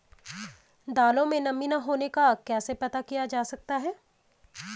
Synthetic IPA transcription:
d̪aːlõmẽnɐminaɦoːnekakɛːsepɐt̪akijad͡ʒaːsɐk̚t̪aɦɛː

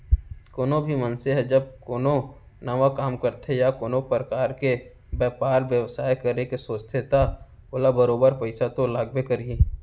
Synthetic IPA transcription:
koːnobʱimənseɦɛd͡ʒəb̚koːno | nɐʋakaːmkəɾt̪ʰejakoːnopɾəkaːɾke | bɛːpaːɾʋjəʋsaːjkəɾekesoːst̪ʰet̪a | oːlabəɾoːbəɾpəɪsat̪olaːɡbekəɾiiː

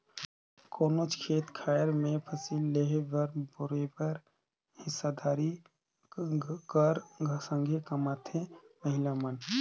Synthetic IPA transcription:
koːnot͡ʃkʰeːt̪kʰaːjəɾmẽpʰəsiːlːeɦbəɾbʊɾebəɾ | hɪsːad̪aːɾi | kəɾɡʱsə̃ŋɡʱekɐmaːt̪ʰeməɦɪlamən

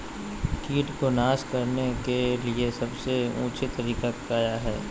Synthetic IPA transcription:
kiːʈkonaːskɐɾnekeliesɐbseṵ̃ːt͡ʃʰit̪ɐɾiːkakaːjaɦɛː

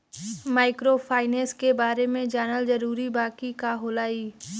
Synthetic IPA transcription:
maːɪkɾopʰaːɪnẽskebaːɾemẽd͡ʒaːnəlzəɾuːɾibaːkikaːɦoːlaːiː

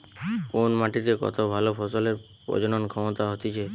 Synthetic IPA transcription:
konmaʈit̪ekɔ̰t̪ʰobʱalopʰɔsɔleɾ | pɔ̰d͡ʒɔñɔnkʰɔmɔt̪aɦot̪it͡ʃʰe

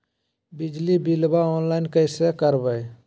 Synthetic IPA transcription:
bɪd͡ʒlibilbaɔːnlaːɪnkəsekəɾbəj

